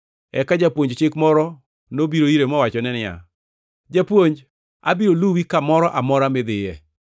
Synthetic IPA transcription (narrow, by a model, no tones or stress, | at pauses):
ɛkad͡ʒapwoɲd͡ʒt͡ʃɪkmɔɾɔ | nobiɾoiɾemɔwat͡ʃɔnɛnɪa̰ | d͡ʒapwoɲd͡ʒ | a̰biɾoluwikamɔɾɔʔamɔɾamɪd̪ɪjɛ